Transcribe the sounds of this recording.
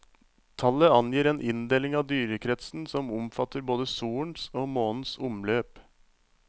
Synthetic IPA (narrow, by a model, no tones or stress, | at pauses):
t̪ʰɑləɑnjiːɾeːnʔɪnd̪eːlɪŋɑːʋd̪yːɾəkʰɾɛt̪sn̩sɔmʊmfɑt̪əɾboːd̪əsuːɳsoːmoːnn̩sʊmløːp